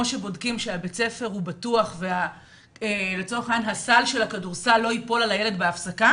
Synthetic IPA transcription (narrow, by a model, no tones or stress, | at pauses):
oʃe̞bo̞dkimʃeabet͡se̞fe̞ʁhubatuaχve̞a | elet͡so̞eχajanɦasalʃe̞lakaduʁsalːo̞ipo̞lalajele̞dbeafsaka